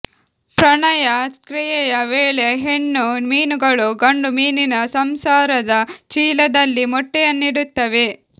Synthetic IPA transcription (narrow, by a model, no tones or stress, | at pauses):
pɾɐɳɐjɐskɾijɐjɐʋeːɭeɦe̞ɳːumiːnuɡɐɭuɡɐɳɖumiːninɐsɐmsaːɾɐd̪ɐt͡ʃiːlɐd̪ɐlːimɔʈːɛjɐnːiɽut̪ːɐʋe